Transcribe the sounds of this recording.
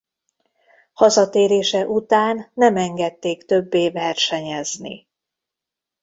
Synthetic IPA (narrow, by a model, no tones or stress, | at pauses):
hɒzɒt̪eːɾeːʃɛʔut̪aːnːɛmɛŋɡɛt̪ːeːkt̪ø̞bːeːvɛrʃɛɲɛznḭ